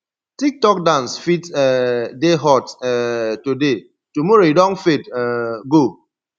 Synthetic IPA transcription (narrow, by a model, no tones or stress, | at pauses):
tik̚tɔk̚dãnsfitɛdeɦɔtɛtude | tumɔɾoidɔ̃nfetɛɡo